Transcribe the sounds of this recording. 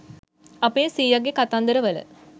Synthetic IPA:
ɐpeːsiːjaɡekat̪and̪əɾəʋələ̰

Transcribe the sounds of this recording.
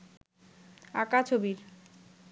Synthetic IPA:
akat͡ɕʰobiɾ

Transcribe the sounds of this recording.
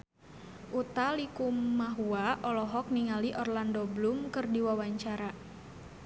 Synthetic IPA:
ʔut̪alikumːaɦuaʔɔlɔɦɔk̚niŋaliʔɔrlandoblumkɨrdiwawaɲt͡ʃaɾa

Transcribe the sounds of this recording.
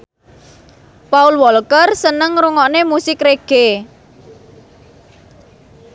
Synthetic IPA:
paulwɔlkərsənəŋɾuŋɔnemusɪkɾeɡ̥e

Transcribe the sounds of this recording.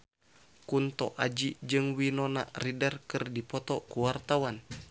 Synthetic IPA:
kunt̪ɔ̰ʔad͡ʒid͡ʒɨŋwinɔna̰ridərkɨrdipɔt̪ɔkuwart̪awan

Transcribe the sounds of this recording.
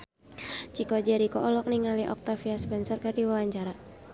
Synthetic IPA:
t͡ʃikɔd͡ʒaɾikɔʔɔlɔk̚niŋaliʔɔ̰k̚t̪afiaspɛnsərkardiwawaɲt͡ʃaɾa

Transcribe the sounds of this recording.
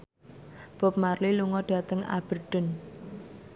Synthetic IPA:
b̥ɔ̤p̚marliluŋɔɖ̥a̤t̪əŋa̰b̥ərɖ̥ʊ̤n

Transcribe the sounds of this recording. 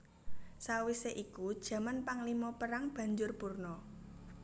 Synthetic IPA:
sawiseʔikud̥ʒ̥ä̤manpaŋlimɔpəɾaŋb̥ä̤ɲd͡ʒʊrpurnɔ

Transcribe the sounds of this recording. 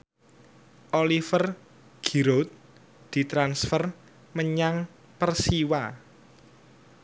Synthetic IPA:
ʔolifər | ɡ̥i̤ɾot̪̚ | d̪̥i̤t̪ɾansfər | məɲaŋ | pərsiwa

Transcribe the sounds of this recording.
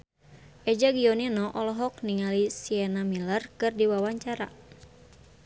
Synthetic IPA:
ʔɛd͡ʒaɡiɔninɔʔɔlɔɦɔk̚niŋalisiɛnamilərkɨrdiwawaɲt͡ʃaɾa

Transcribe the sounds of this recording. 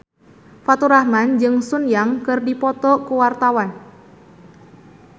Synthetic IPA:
fat̪uɾahmand͡ʒɨŋsʊnjaŋkɨrdipɔt̪ɔkuwart̪awan

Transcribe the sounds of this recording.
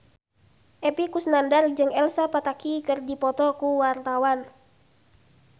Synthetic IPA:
ʔɛpikusnandard͡ʒɨŋɛlsapat̪akikɨrdipɔt̪ɔkuwart̪awan

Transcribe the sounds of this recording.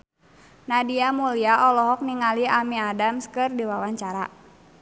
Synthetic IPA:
nadiamuliaʔɔlɔɦɔk̚niŋaliamiadamskɨrdiwawaɲt͡ʃaɾa̰

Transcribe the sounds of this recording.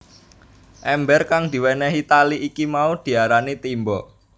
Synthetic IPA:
ʔɛmbɛrkaŋd̪̥i̤wɛnɛɦit̪aliʔikimaud̪̥i̤aɾanit̪imbɔ

